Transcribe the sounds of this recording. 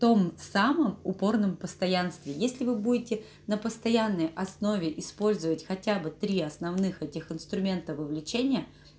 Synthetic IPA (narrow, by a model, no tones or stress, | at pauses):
t̪o̞msaməmʊpo̞rnəmpəst̪ɐjanst̪vʲɪjesʲlʲɪvɨbudʲɪtʲɪ | nəpəst̪ɐjanːəjʔɐsno̞vʲɪʔɪspo̞lʲzəvətʲxɐtʲabɨt̪ɾʲiɐsnɐvnɨxɛtʲɪxɪnst̪ɾʊmʲe̞nt̪əvɨvlʲɪt͡ɕenʲɪjə